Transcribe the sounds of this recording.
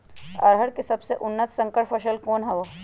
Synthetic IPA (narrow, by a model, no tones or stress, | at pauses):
ɐ̰ɾɦəɽkesɐbseʔʊnːət̪ʰsɐ̃ŋkəɾpʰɐʃəlkoːnɦɐʋo